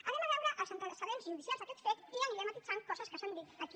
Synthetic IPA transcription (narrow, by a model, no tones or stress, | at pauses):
ənɛməβɛwɾəʔəlˠzənt̪ələsəβenzʒuðisialzðəkɛt̪fet̪iəniɾɛmət̪id͡zankɔzəskəsand̪it̪ək